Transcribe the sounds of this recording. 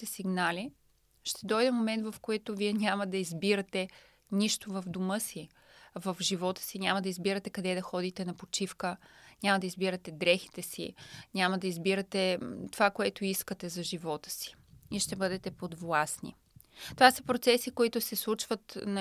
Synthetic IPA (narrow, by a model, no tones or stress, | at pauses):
t̪ɛsiɡnali | ʃt̪ɛd̪ɔjd̪ɛmomɛnt̪vɐfkoɛt̪ʊviɛnʲamɐd̪ɐizbiɾɐt̪ɛ | nʲiʃt̪ovɐvd̪omɤsi | vɐfʒivɔt̪ə̥sinʲamɐd̪ɐizbiɾɐt̪ɛkɐd̪ɛd̪ɐxɔd̪it̪ɛnɐpot͡ʃifkəɲʲamɐd̪ɐizbiɾɐt̪ɛd̪ɾɛxi̥t̪ɛsḭɲʲamɐd̪ɐizbiɾɐt̪ɛt̪ovakoɛt̪ʊiskət̪ɛzɐʒivɔt̪ə̥si̥ | iʃt̪ɛbɤd̪ɛt̪ɛpod̪vlˠasnḭ | t̪ovasə̥pɾot̪sɛsikoit̪ʊsɛslˠut͡ʃvət̪nɐ